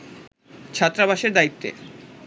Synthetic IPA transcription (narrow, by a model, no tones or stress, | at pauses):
t͡ɕʰat̪ːɾabaʃeɾd̪ait̪ːḛ